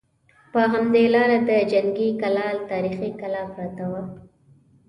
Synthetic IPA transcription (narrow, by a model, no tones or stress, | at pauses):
pəɦamd̪elɑɾad̪əd͡ʒaŋɡikalɑlt̪ɑɾixikalɑpɾɑt̪awa